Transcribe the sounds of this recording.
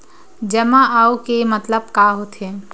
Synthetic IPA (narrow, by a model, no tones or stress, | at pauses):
d͡ʒəmaʔaukemət̪ləb̚kaɦot̪ʰe